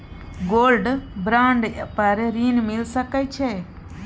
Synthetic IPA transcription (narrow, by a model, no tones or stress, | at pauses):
ɡoːlɖbɾaːɳɖpəɾɾiːnmɪlsəkəjt͡ʃʰeː